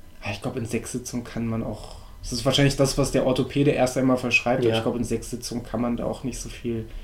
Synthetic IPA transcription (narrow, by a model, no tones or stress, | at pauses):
ʔaɪçɡ̥laʊbəɪnzɛksz̥ɪt͡sʊŋənkʰanmana̰ʊx | ɛsɪstv̥aːɐʃaɪnlɪçd̥asv̥asd̥eːɐʔɔtopʰeːɾəʔeːɐstʔaɪnmaːlfɛɐʃʁ̥aɪp̚tʔabɐçɡ̥laʊbəɪnzɛksz̥ɪt͡sʊŋənkʰanmanda̰ːʔaʊxnɪçtz̥oːfiːl